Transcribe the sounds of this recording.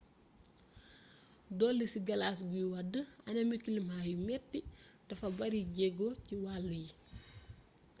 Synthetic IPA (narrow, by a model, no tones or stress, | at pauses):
dɔlːisiɡɐlasɡujiwɐdəɐnɐmikilimhaːjimɛtːid̥ɐfɐbɐɾiɟɛɡociwaːlːəji